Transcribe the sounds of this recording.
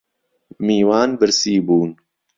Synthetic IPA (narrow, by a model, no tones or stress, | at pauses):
miːwaːnbɨɾsiːbuːn